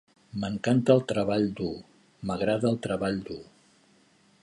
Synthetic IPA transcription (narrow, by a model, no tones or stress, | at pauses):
məŋkant̪əːlˠt̪ɾəβaʎd̪u | məɣɾaðəːlˠt̪ɾəβaʎd̪u